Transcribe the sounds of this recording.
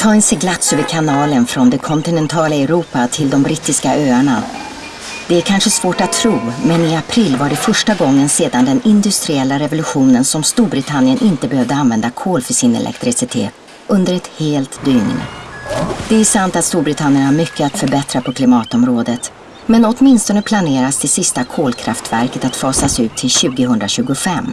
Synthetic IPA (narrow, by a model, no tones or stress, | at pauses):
t̪ʰɑːɪnsɛɡlat̪sœvəkʰanɑːlənfɾɔnd̪ɛkʰɔnt̪ɪnɛnt̪ʰɑːlaɛɾuːpat̪ʰɪld̪ɔmbɾɪt̪ːɪskaʔøːaɳa | d̪̥ɛæɾkʰanʂəsvoːʈat̪ʰːɾuːmɛnɪapʰɾɪlːvaɖɛfœʂʈaɡɔŋːənseːd̪and̪ɛnɪnd̪ɵst̪ɾɪɛlːaɾɛvʊlɵɧuːnənsɔmst̪uːɾbɾɪt̪ʰanːɪjənʔɪnt̪əbɛhœvd̪əanvɛnd̪akʰoːlfœʂɪnɛ̰lʔɛ̰kt̪ɾɪsɪt̪ʰḛːt̪ | ʔɵnd̪əɾɛt̪heːlt̪d̪yːn̰nə̰ | d̪̥ɛæsant̪at̪st̪uːɾbɾɪt̪ʰanːɪəɳaaɾmʏkːəat̪fœɾbɛt̪ɾapʰɔkʰlɪmɑːt̪ɔmɾoːd̪ət̪ | mɛnɔt̪mɪnst̪ɔnəpʰlaneːɾast̪ʰɪlsɪst̪akʰoːlkʰɾa̰ft̪væɾkət̪at̪fɑːsasʉ̟ːt̪ʰːɪlɕʉ̟ːɡəɦɵnd̪ɾaɕʉ̟ːɡʊfɛmː